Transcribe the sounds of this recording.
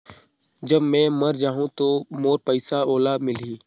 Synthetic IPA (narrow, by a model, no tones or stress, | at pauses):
d͡ʒɐbmɛ̃ːmɐɾd͡ʒaːɦũt̪oːmoːɾpəɪsaoːlamɪliː